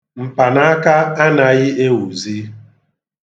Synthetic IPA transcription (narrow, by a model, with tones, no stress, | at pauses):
m̩˨pa˨na˦a˦ka˦a˦na˨ɣɪ˦e˦wu˨zi˦